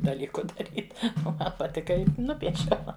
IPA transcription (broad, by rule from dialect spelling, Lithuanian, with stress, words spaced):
dɐˈlʲiːkʊ dɐˈrʲiːt oː ˈmɐn pɐˈtʲɪkɐ ˈɪ ˈnʊpʲiɛʃʲɛʊ